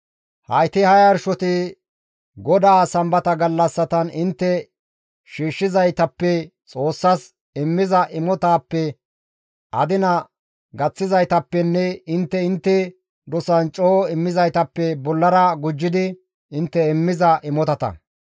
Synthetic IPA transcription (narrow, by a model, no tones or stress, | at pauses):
hɐ̰jt̪ɪhɐjɐɾʃɔt̪ɪ | ɡɔd̪aːsɐmbɐt̪ɐɡɐlːɐsːɐt̪ɐnɪnt̪ːɛ | ʃiːʃːɪzɐjt̪ɐpːɛt͡sʼo̞ːsːɐs | ɪmːɪzɐʔɪmɔt̪aːpːɛ | ʔɐd̪ɪnɐ | ɡɐt͡sːɪzɐjt̪ɐpːɛnːɛɪnt̪ːɛɪnt̪ːɛ | d̪ɔsɐnt͡ʃʼoːɪmːɪzɐjt̪ɐpːɛbɔlːɐɾɐɡʊd͡ʒːɪd̪ɪ | ɪnt̪ːɛɪmːɪzɐʔɪmɔt̪ɐt̪ɐ̰